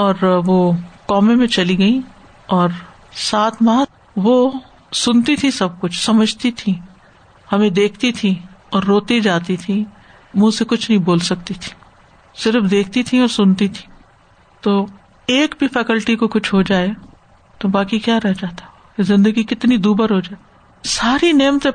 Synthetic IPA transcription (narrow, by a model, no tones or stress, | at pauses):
ɔːɾʋoːkɔːmẽmẽt͡ʃɐliɡɐĩ | ɔːɾ | saːt̪maː | ʋo | sʊnt̪it̪ʰĩsɐb̚kʊt͡ʃʰsɐməd͡ʒʱt̪it̪ʰĩ | hɐmẽd̪eːkʰt̪it̪ʰiɔːɾːoːt̪id͡ʒaːt̪it̪ʰĩ | mũsekʊt͡ʃʰnɐɦĩboːlsɐk̚t̪it̪ʰi̥ | sɪɾfd̪eːk̚ʰt̪it̪ʰĩɔːɾsʊnt̪it̪ʰĩ̥ː | t̪oː | eːkbʱifɛːkəlʈikokʊt͡ʃʰɦod͡ʒaːe | t̪obaːkikjaːɾɛɦd͡ʒaːt̪a | kezɪ̃nd̪əɡikɪt̪nid̪uːbəɾɦod͡ʒaːe | saːɾineːmət̪